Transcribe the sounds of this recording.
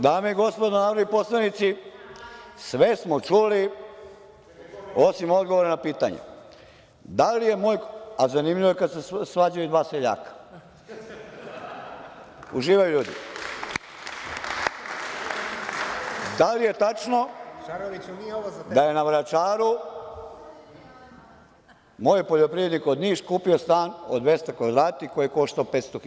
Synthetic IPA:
d̪aːmeiɡo̞spo̞d̪onaʋɾaʋipo̞slˠanit̪si | sʋe̞smot͡ʃuli | o̞simo̞d̪ɡoʋoɾanapiːt̪a̰ɲḛ | d̪alije̞mo̞ːjazanimʎiʋoekad̪sesʋad͡ʑajud̪ʋaːseʎa̰ːkḁ | uʒiːʋajuʎuːd̪ḭ | d̪alije̞t̪at͡ʃno̞ | d̪aje̞naʋɾat͡ʃaːɾu | moːjpoʎopɾije̞d̪nikod̪niːʃkuːpiost̪aːno̰d̪ʋest̪akʋad̪ɾaːt̪ikojekoʃt̪aopet̪st̪ox

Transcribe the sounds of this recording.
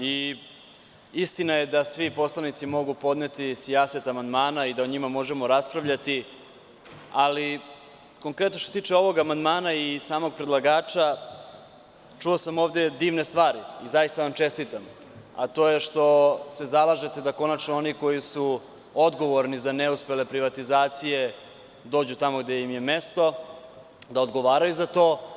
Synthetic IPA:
i | ist̪inaje̞d̪asʋipo̞slˠanit̪simo̞ɡupo̞d̪net̪isijaset̪amand̪maːnaid̪aoɲimamo̞ʒemo̞ɾaspɾaʋʎat̪i | ali | ko̞ŋkɾet̪not̪oset̪iːt͡ʃeo̞ʋo̞ɡamand̪maːnaisaːmo̞ɡ̚pɾed̪laɡaːt͡ʃa | t͡ʂuo̞samo̞ːʋd̪e̞d̪iːʋnest̪ʋaːɾiizajist̪aʋamt͡ʃe̞st̪it̪am | a̰t̪o̞ːjeʂt̪o̞se̞zalˠaʒe̞t̪ed̪ako̞nat͡ʃnooniko̞jisu | o̞d̪ɡo̞ʋo̞ɾnizaneuspe̞le̞pɾiʋat̪izaːt̪sije̞ | d̪o̞ːd͡ʑut̪amoɡd̪ejimje̞me̞st̪o̞ | d̪aod̪ɡo̞ʋaːɾajuzat̪o̞ː

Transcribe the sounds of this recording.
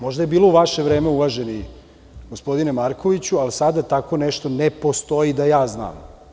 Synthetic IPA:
mo̞ʒd̪aje̞biːlouʋaʃe̞ʋɾeːmeuʋaʒeni | ɡospo̞d̪inemaɾkʰo̞ʋit͡ɕualisad̪at̪ako̞nɛʃt̪o̞nepo̞st̪o̞id̪ajaːzna̰ːm

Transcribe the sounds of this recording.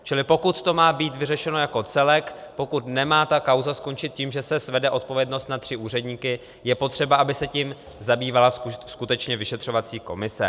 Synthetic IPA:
t͡ʃɪlɪpo̞kut̪t̪o̞maːbiːt̪vɪrɛʃɛno̞jako̞t͡sɛlɛkpo̞kut̪nɛmaːt̪akawzasko̞nt͡ʃɪt̪̚ciːmʒɛsɛsvɛdɛʔo̞t̪̚po̞vjɛdno̞st̪nat̪r̥ɪʔuːr̝ɛdɲiːkɪ | jɛpo̞t̪r̝̥ɛbaʔabɪsɛcim | zabiːvalasskut̪ɛt͡ʃɲɛvɪʃɛt̪r̝̥o̞vat͡siːko̞̰mɪsɛ̰

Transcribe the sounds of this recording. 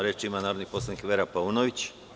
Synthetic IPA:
ɾet͡ʃimanaːɾod̪nipo̞slanikʋeɾapaunoʋit͡ɕ

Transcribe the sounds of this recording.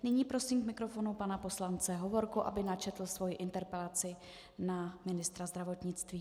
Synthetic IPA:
nɪɲiːpɾo̞siːmkmɪkɾo̞fo̞nupanapo̞slant͡sɛɦo̞vo̞ɾkuʔa̰bɪnat͡ʃɛt̪l̩svo̞jɪʔɪnt̪ɛɾpɛlat͡sɪ | namɪnɪst̪ɾazd̪ɾavo̞t̪ɲɪt͡st̪viː

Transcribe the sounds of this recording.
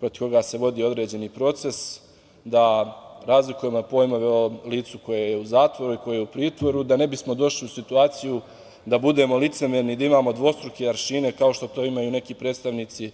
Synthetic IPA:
pɾot̪i̥ko̞ɡaːse̞ʋo̞d̪iːo̞d̪ɾe̞ːd͡ʑe̞niːpɾo̞t̪se̞s | d̪aɾazlikuje̞mo̞po̞ːjmo̞ʋe̞o̞liːt̪suko̞jejeuzaːt̪ʋo̞ɾuiko̞jejeupɾiːt̪ʋo̞ɾud̪ane̞bismo̞d̪o̞ʃliusit̪uaːt̪siju | d̪abud̪e̞ːmo̞lit̪se̞mjeɾnid̪aimaːmo̞d̪ʋo̞st̪ɾukeaɾʃiːne̞kaoʃt̪o̞t̪o̞ːimajuːne̞kiːpɾed̪st̪aʋniːt̪si

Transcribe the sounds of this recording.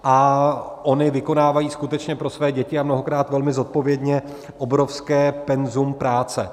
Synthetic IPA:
ʔaʔo̞nɪvɪko̞naːvajiːskut̪ɛt͡ʃɲɛpɾo̞svɛːɟɛcɪamno̞ɦo̞kɾaːt̪vɛlmɪzo̞t̪̚po̞vjɛdɲɛ | ʔobɾo̞fskɛːpɛnzumpɾaːt͡sɛ

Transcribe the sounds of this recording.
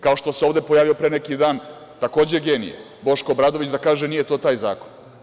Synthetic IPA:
kao̞ʃt̪oseo̞ːʋd̪e̞pojaːʋiopɾenekid̪aːn | t̪ako̞ːd͡ʑe̞ɡeːnḭjḛ | bo̞ʃko̞bɾaːd̪oʋit͡ɕd̪akaːʒenijet̪o̞ːt̪aːjzaːkon

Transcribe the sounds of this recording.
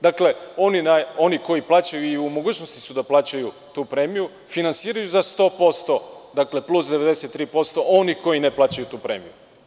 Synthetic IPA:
d̪akle̞o̞ninao̞niko̞jiplaːt͡ɕajuiumo̞ɡuːt͡ɕnost̪i̥sud̪aplˠaːt͡ɕaju | t̪uːpɾemiju | finansiːɾajuzast̪o̞ːpo̞st̪o̞d̪akle̞plˠusd̪eʋe̞d̪ese̞t̪ːɾiːpo̞st̪o̞ʔoniko̞ineplˠaːt͡ɕajut̪uːpɾe̞ːmiju

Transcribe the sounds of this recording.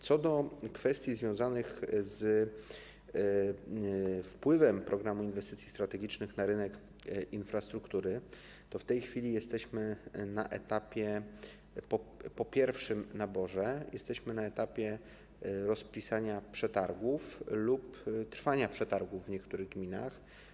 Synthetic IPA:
t̪sɔd̪ɔkfɛst̪ʲjizvʲjɔ̃w̃zanɘxz | fpwɘvɛmpɾʔɔɡɾamuinvɛst̪ɘt̪sʲjist̪ɾat̪ɛɡʲit͡ʂnɘxnaɾɘnɛk | infɾast̪ɾukt̪uɾɘ | t̪ɔft̪ɛjxfʲilʲijɛst̪ɛɕmɘnaʔɛ̰t̪apʲjɛ | pɔpɔpʲjɛɾfʂɘmnabɔʐɛjʔɛst̪ɛɕmɘnaɛt̪apʲjɛ | ɾɔspʲisaɲapʂɛt̪aɾɡuflupt̪ɾfaɲapʂɛt̪aɾɡuvːɲɛkt̪uɾɘɣɡmʲina̰x

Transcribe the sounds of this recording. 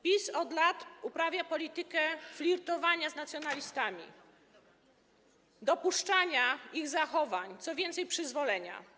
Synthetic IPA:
pʲisɔd̪lat̪upɾavʲjapɔlʲit̪ɘkɛflʲiɾt̪ɔvaɲaznat̪sʲjɔnalʲist̪amʲḭ | d̪ɔpuʂt͡ʂaɲaiɣzaxɔvaɲt̪sɔvʲjɛnt̪sɛjpʂɘzvɔlɛɲa̰

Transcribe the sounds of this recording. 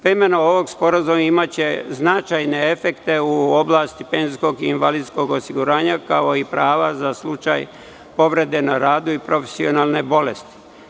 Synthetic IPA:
pɾemenooʋo̞ɡspo̞ɾazumaimat͡ɕe̞znat͡ʃajne̞efe̞kt̪e̞uo̞blˠaːst̪ipeːnsko̞ɡiːnʋalid̪sko̞ɡosiɡuɾaːɲakao̞ipɾaːʋazaslˠut͡ʃa̰j | po̞ʋɾe̞d̪e̞naɾaːd̪uipɾo̞fe̥sio̞naːlˠne̞bo̞le̞st̪i̥

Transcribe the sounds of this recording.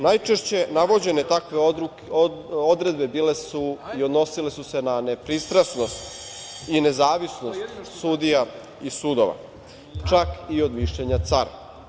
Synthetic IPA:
najt͡ʃeʃt͡ɕe̞naʋo̞d͡ʑe̞ne̞t̪akʋeu | od̪ɾe̞d̪be̞biːlesuiod̪no̞sile̞suse̞nane̞pɾist̪ɾasno̞st̪ine̞zaːʋisno̞st̪sud̪ija | isud̪o̞̰ʋa̰ | t͡ʃakio̞d̪miʃʎeɲat̪saɾa

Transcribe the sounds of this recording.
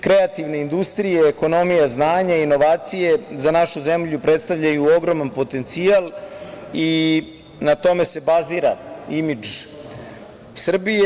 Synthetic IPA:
kɾeat̪iʋne̞ind̪ust̪ɾijeːko̞no̞mijaznaːɲaino̞ʋaːt̪sijezanaʃuze̞mʎupɾet̪st̪aʋʎajuo̞ɡɾo̞manpo̞t̪e̞nt̪sial | i | nat̪o̞me̞se̞baziɾaimid͡ʒ | sr̩bie

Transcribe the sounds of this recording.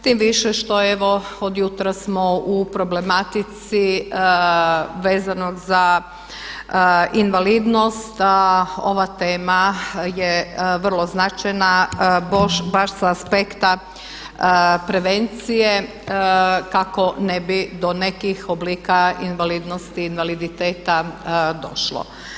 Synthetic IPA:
t̪imʋiʃeʃt̪o̞eʋo̞od̪jut̪ɾasmoupɾo̞ble̞mat̪it̪si | ʋeːzanoɡza | inʋalid̪no̞st̪aoʋat̪eːmajeʋr̩lˠo̞znat͡ʃajnabobaɾsaːspekt̪a | pɾe̞ʋe̞nt̪sije̞ | kako̞nebid̪o̞ne̞kixobliːkainʋalid̪nost̪iːnʋalid̪it̪eːt̪ad̪o̞̰ʃlo̰

